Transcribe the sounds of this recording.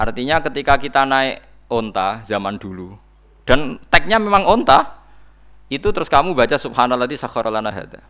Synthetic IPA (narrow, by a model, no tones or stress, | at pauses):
ʔa̰rt̪iɲakət̪ikakit̪anaɛʔ | ont̪azamand̪̥ulu | d̥ant̪ɛk̚ɲamemaŋont̪a | it̪ut̪əɾʊskamubat͡ʃasub̚hanalːat̪isakɔɾʔalanaɦa̰d̪a